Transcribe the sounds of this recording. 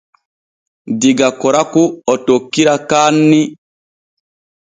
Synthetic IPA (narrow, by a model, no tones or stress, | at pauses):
diɡakɔɾakuɔtokːiɾakaːnːi